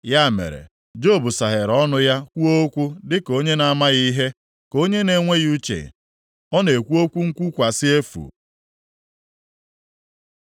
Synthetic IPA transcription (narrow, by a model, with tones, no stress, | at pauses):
ja˦˨mḛ˨ɾḛ˨ | d͡ʒo˦˨bu˨sa˨ɦe˨ɾɔ˦nʊ˦ja˦kʷu˦o˦kʷu˦dɪ˦ko˦ɲe˦na˦ma˦ɣi˦ɦe˦ | ko˦ɲe˦ne˨ŋʷe˦ju˦t͡ʃḛ˨ | ɔ˦ne˨kʷu˦o˦kʷu˦ŋ̩˦kʷu˦kʷa˨sɪ˦e˦fṵ˨